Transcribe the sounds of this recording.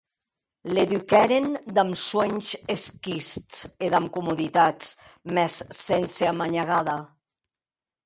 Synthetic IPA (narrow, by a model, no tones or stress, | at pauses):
leðykɛɾend̪amsweɲzeskist͡seðamkumuðit̪at͡smɛssenseamaɲaɣaða